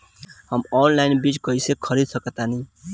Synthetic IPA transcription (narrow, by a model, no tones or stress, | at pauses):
həmɔnlajnbit͡ʃkʌisekʰəɾid̪səkət̪ani